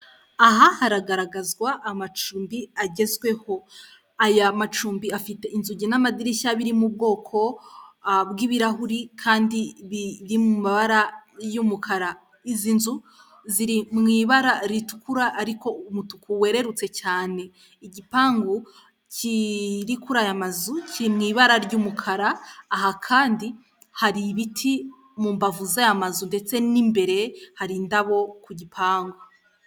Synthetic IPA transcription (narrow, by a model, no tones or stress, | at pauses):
aɦahaɾaɡaɾaɡazɡwaʔːmat͡ʃuːmbiaɟe̞zɡwe̞ho̞ | ajamat͡ʃuːmbiafite̞ʔinzuɟinamadiɾiʃaβiɾimub̚ɡo̞ːkʰo̞ | bɡiβiɾaɦuɾikʰaːndiβiɾimumaβaɾajumukʰaɾa | izinzu | ziɾimŋiːβaɾaɾitu̥kuɾaʔːɾiko̞umutukuwe̞ɾe̞ɾut͡se̞t͡ʃaːne̞ | iɟipaːŋɡu | ciɾikuɾajamazucʰiɾimŋiːβaɾaɾɟumukʰaɾaːɦakʰaːndi | haɾiβitʰi | muːmbavuzajamazunde̞t͡se̞nimbe̞ɾe̞haɾindaβo̞kuɟipʰaːŋɡu